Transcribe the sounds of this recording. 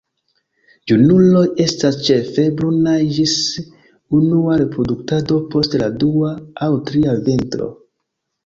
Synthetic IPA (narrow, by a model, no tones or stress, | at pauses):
d͡ʒunulo̞je̞stast͡ʃe̞fe̞bɾunad͡ʒis | unuaɾe̞pɾo̞duktado̞po̞stladuaːwtɾiaventɾo̞̰